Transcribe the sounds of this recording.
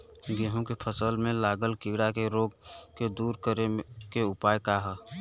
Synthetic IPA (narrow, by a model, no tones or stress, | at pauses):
ɡeɦõkepʰəsəlmẽlaːɡəlkiɽakeɾoɡ̚ked̪uːɾkəɾekeʊpaːjkaɦə